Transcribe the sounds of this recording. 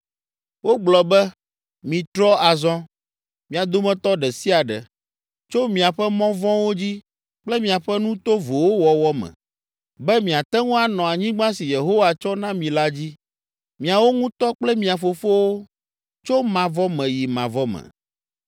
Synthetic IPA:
wo˦ɡ͡blɔ˨bɛ˦ | mĩ˨t̪ɾɔ˦a˨zɔ̃˦ | mĩ˨a˨d̪o˦mɛ̃˦t̪ɔ˦ɖɛ˨si˦a˨ɖɛ̰˨ | t͡ʃo˦mĩ˨a˨ɸɛ˦mɔ̃˦vɔ̃˦wo˦d͡ʑi˦ | k͡plɛ˦mĩ˨a˨ɸɛ˦nũ˦t̪o˦vo˨wo˦wɔ˨wɔ˦mɛ̰̃˨ | bɛ˦mĩ˨a˨t̪ɛ˦ŋũ˦a˨nɔ̃˨a˨ɲĩ˦ɡ͡bã˦si˨je˨ɦo˦wa˨t͡ʃɔ˦nã˦mĩ˨la˦d͡ʑi˦ | mĩ˨a˨wo˦ŋũ˦t̪ɔ˦k͡plɛ˦mĩ˨a˨fo˨fo˦wo˦ | t͡ʃo˦mã˨vɔ˦mɛ̃˨ji˨mã˨vɔ˦mɛ̰̃˨

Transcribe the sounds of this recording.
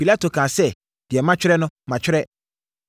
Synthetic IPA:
pi˨la˦to˨kʰãː˨sɛ˦ | d̥ɪ˨ɛ˨mã˦t͡ɕᶣɪ˦ɾɛ˦nʊ̃˦mã˨t͡ɕᶣɪ˦ɾɛ˦

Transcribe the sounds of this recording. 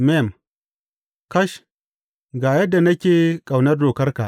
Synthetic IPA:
mɛ˦˨m | kɐ˦ʃ | ɡaː˨jɐ˦dːa˨nɐ˦kʲeː˨kʼa˨wnɐ˦rdoː˨kɐ˦rka̰˨ʔ

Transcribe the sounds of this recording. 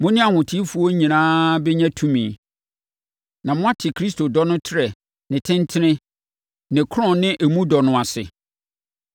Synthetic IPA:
mʊ̃˦nɪ̃˦a˨hʊ̃˨tʰi˦fu˨˦ɔ˦ɲĩ˨nãː˦bɛ˦ɲã˦tʰũ˦mĩ˨ | nã˨mʊ̃˦a˦tʰɪ˨kʰɾi˦stʰo˨dɔ˦nʊ̃˦tʰɪ˦ɾɛ˨ | nɪ̃˨tʰɪ̃˦n˦tʰɪ˦nɪ̃˦ | nɪ̃˨kʰʊ˦ɾɔ̃˨nɪ̃˦ʔe˨mũ˦dɔ˨nʊ̃˨a˨sɪ̰˨

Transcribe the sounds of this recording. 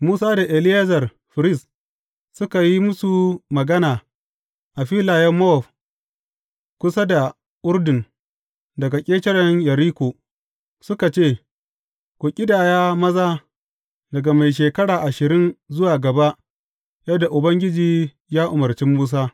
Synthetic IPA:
muː˦saː˦da˨ʔe˨lɪ˦ja˦zɐ˨r | ɸɪ˨ɾɪ˦˨s | sʊ˦ka˨ji˦mʊ˦su˨mɐ˨ɡɐ˦naː˨ | ʔa˨ɸiː˦laː˨jɛ˦mːɔ˦˨f | kʷʊ˦sa˦da˨ | ʔʊ˦ɾdɪ˨n | dɐ˨ɡa˨kʲʼeː˦t͡ʃɐ˦ɽɐ˦ɲjɐ˨ɾiː˦kʷoː˨ | sʊ˦ka˨t͡ʃeː˦˨ | kʷu˨kʲʼɪ˦daː˨jaː˦mɐ˦zaː˦ | dɐ˨ɡa˨ma˨jʃ̬eː˨kɐ˦ɽaː˨ʔa˨ʃɪ˨ɾɪ˦nzʊ˦waː˨ɡɐ˨ba˦ʔ | jɐ˦dːa˨ʔʊ˨bɐ˦ŋɡʲɪ˦d͡ʒiː˨ | jaː˦ʔʊ˨mɐ˨rt͡ʃɪ˦mːuː˦s̬aː˦

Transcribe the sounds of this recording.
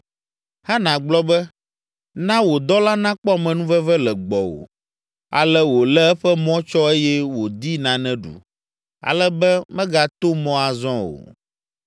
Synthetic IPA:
ha˦nã˨ɡ͡blɔ˦bɛ˦ | nã˦wo˨d̪ɔ˦la˦nã˦k͡pɔ˦a˨mɛ̃˨nũ˦vɛ˦vɛ˦lɛ˨ɡ͡bɔ˨wo̰˨ | a̰˨lɛ˦wo˨lɛ˦ɛ˦ɸɛ˦mɔ̃˦t͡ʃɔ˦e˦jɛ˦wo˨d̪i˦nã˨nɛ̃˦ɖṵ˨ | a̰˨lɛ˦bɛ˦mɛ̃˦ɡa˨t̪o˦mɔ̃˦a˨zɔ̃˦wo̰˨

